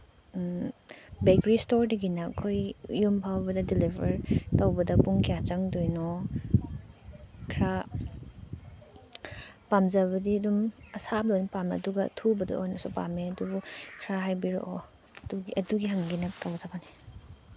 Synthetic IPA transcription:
bekɾistoɾdiɡinɐkʰojjumpʰawbɐdɐdilibʱɐɾtɐwbɐdɐpuŋkʰijat͡ʃɐŋdojnɔ | kʰɾa | pamzɐβɐdiɐdumɐsab̚dojnɔpamɐ̰duɡɐtʰubɐdɐ̰ojnɔsupa̰meɐdubukʰɾaɦajbiɾo̰ʔo | duɡiɐduɡiɦɐŋɡinɐtawzabani

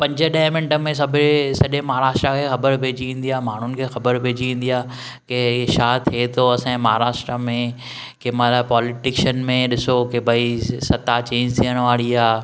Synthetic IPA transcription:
pɐ̃ɲd͡ʑə̆ɗaɦmɪ̃ɳʈə̆mẽs̬ɐbʱɪsɐʄẽmaɦaɾaːʃʈɾakʰeːxɐbəɾbʱeːd͡ʑiʋĩːn̆d̪ijaːmaːɳ̤ʊnɪ̆kʰeːxɐbəɾbʱeːd͡ʑiʋẽːn̆d̪ijaː | keʃaːt̪ʰiet̪ʰoɐsãːmaːɦaɾaːʃʈɾamẽ | kemalapɔːlɪʈɪkʃənmẽɗɪsokebʱɐisɐt̪at͡ɕẽːɲd͡ʑt̪ʰiːəɽ̃ʋaːɽiaː

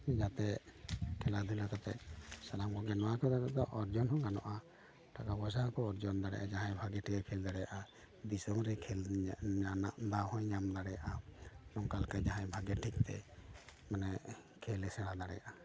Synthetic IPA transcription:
d͡ʒat̪ɛkʰɛlad̪ʱulakat̪ɛ̰salamkɔɡɛnɔwakɔd̪aɡad̪ɔʔɔɾd͡ʒɔnhɔ̃ŋɡanɔ̰ʔa | ʈakabɔsakɔːɾd͡ʒɔnd̪aɽɛ̰ʔa̰d͡ʒaɦãjbʱaɡɛʈʰikɛkʰɛld̪aɽɛjaʔa | d̪isɔmɾɛkʰɛlanaʔd̪ahɔ̃jɲamd̪aɽɛjaʔanɔŋkalkajd͡ʒaɦãjbʱaɡɛʈʰik̚t̪ɛ̰ | manɛkʰɛlɛsɛɽ̃ad̪aɽɛ̰ja̰ʔa

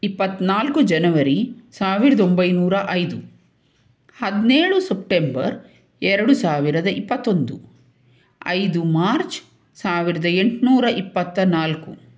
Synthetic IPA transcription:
ipːɐt̪ːnaːlkud͡ʒɐnɐʋɐɾisaːʋiɾɐd̪o̞mbɐjnuːɾɐʔɐjd̪u | hɐd̪neːɭusɐp̚ʈembɐ̰ɾ | ɛɾɐɽusaːʋiɾɐd̪ɐʔipːɐt̪ːo̞nd̪u | ɐ̰jd̪umaːɾt͡ʃ | saːʋiɾɐd̪ɐe̞ɳʈnuːɾɐʔipːɐt̪ːɐnaːlku

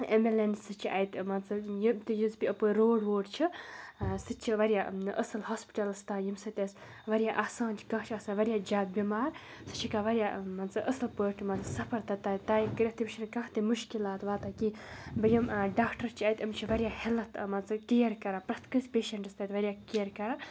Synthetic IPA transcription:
emelensɨt͡ʃʰiʔɐjt̪mɐnt͡sɐjimt̪ɨjɨzbʲiəpoːɾoːɖʋoːɖt͡ʃʰi | sɨt͡ʃʰiʋɐɾʲija̰ːʔəsɨlɦɔːspi̥ʈɐlɐst̪aːjimsɨt̪ʲɐs | ʋɐɾʲijaːʔaːsãːnt͡ʃʰi̥kɐ̃kt͡ʃʰiasaːnʋɐɾjaːd͡ʒaːt̪̚bʲimaːɾ | sɨ̥t͡ʃʰikaʋɐɾʲijaːmɐnt͡sɐbʔəsɨlpəːʈmɐnt͡sɐsɐpʰɐɾt̪at̪aːt̪aːjikɨɾʲɐht̪imt͡ʃʰinkɐ̃ht̪imuʃkilaːt̪ʋaːt̪aːkibɐjimɖaːkʈɐɾt͡ʃʰiɐjt̪ʲɐmt͡ʃʰiʋɐɾʲijaːhilɐt̪mɐnt͡sɐkijɐɾkɐɾaːpɾɐt̪kɨsʲpʲeːʃɐɳʈɨst̪aːjt̪ʋɐɾjaːkijɐɾkɐɾa

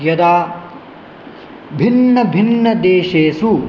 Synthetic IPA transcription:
jɐd̪aː | bʱinːɐbʱinːɐd̪eːʃeːsu

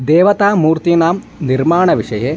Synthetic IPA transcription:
d̪eːʋɐt̪aːmːuːɾt̪inaːm | nirmaːɳɐʋiʂɐjeː

